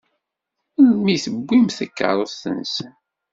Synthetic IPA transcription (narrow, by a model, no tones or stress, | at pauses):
lmiθəbːimθækːə̰ɾˤoθə̰nsən